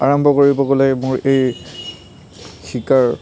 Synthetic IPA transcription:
aɹɔmbʱɔkoɹibɔkolamʊɹej | xʰikaɹ

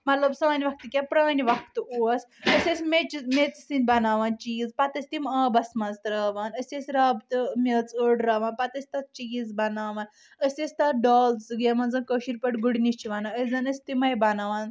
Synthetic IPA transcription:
mɐt̪lɐbsɐnʲiʋɐk̚t̪ɨkʲapɾɐniʋɐkʰt̪ɨʔuɐsəsʲesʲmet͡ʃimet͡ssinʲbɐnaːʋaːnt͡ʃiizpat̪ɐsʲt̪imaːbɐsmɐzt̪ɾɐʋaːnəsʲesʲɾɐːbt̪ɨmʲet͡suɖɾɐːʋaːnpat̪ɐsʲt̪at͡ʃiɡizbɐnaːʋaːn | əsʲesʲt̪ɐɖaːlt͡sɡemɐnd͡zɐnkəːʃiɾpɐʈɡuɽnist͡ʃiʋanaəsʲd͡zɐnɐsʲt̪imɐjbɐnaːʋaːn

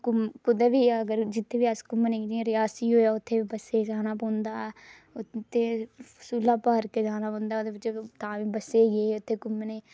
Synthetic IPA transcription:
kʊmkʊd̪eːʋiːəɡəɾd͡ʒɪt̪ʰːeːʋiːəskʊmnẽːkːd͡ʒĩɾɪjaːsiːoːjaːʊt̪ʰːeːiːbəseːd͡ʒaːnaːpəːnd̪aː | ʊt̪ʰːeːsuːlːaːpaːɾkeːd͡ʒaːnaːpə̃ːnd̪aːod̪eːpɪt͡ʃːet̪ãːʋiːbəseːɡeːʊt̪ʰːeːkʊmneː

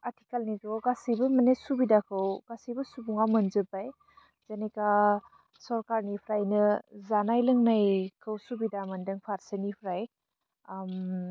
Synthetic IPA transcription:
ati̥kalnizɔwɡasibɐmɐnesubidakʰɯwɡ̥asibɐsubuŋamɐnzɯbaj | z̥aneka | sɔɾkaɾnipʰɾajnɯzanajlɯŋnajkʰɯwsubidamɐndɯŋpʰaɾsenipʰɾaj | m

